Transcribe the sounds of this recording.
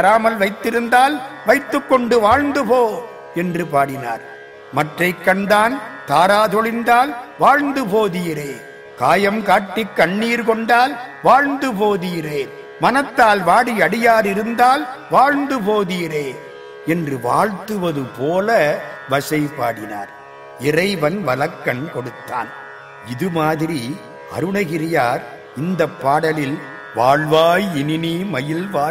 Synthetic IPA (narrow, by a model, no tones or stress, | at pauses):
ɐɾaːmɐlʋɐɪt̪ːɪɾɯnd̪aːlʋɐɪt̪ːɯkːɔɳɖɯʋaːɻnd̪ɯpoː | ɛndrɯpaːɽɪna̰ːɾ | mɐʈrɐɪkːɐɳd̪aːnt̪aːɾaːðɔɭɪnd̪aːlʋaːɻnd̪ɯpoːðiːɾeː | kaːjɐmkaːʈːɪkːɐɳːiːɾkɔɳɖaːlʋaːɻnd̪ɯpoːðiːreː | mɐnɐt̪ːaːlʋaːɽiɐɽɪjaːɾɪɾɯnd̪aːlʋaːɻnd̪ɯpoːðiːreː | ɛndrɯʋa̰ːɻt̪ɯʋɐðɯpoːlɐʋɐsɐɪpːaːɽɪna̰ːɾ | ɪrɐɪʋɐnʋɐlɐkːɐnkɔɽɯt̪ːa̰ːn | ɪðɯmaːðɪɾi | ɐ̰ɾɯɳɐɣɪɾɪjaːɾ | ɪnd̪ɐpːaːɽɐlɪl | ʋaːɭʋaːjɪnɪniːmɐjɪlʋaː